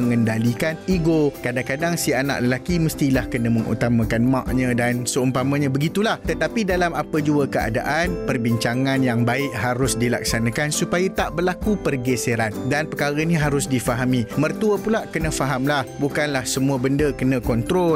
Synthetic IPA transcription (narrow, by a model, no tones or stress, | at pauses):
əŋəndalikaniɡokadaŋkadaŋsiana̰ʔləlakiməst̪ilahkənə̃məŋʔṵt̪amãkanmã̰ʔɲãdansəumpamãɲãbəɡit̪ulaht̪ət̪apidalamapəd͡ʒuəkəa̰da̰ʔanpərbiɲt͡ʃaŋãnjaŋbaɪʔɦaɾʊsdila̰k̚sanãkansupajat̪aʔbərlakupərɡeseɾandanpəkaɾənĩɦaɾʊsdifaɦamĩmərt̪uəpulaʔkənə̃faɦamlahbukanlahsəmuəbəndəkənãkɔnt̪ɾɔ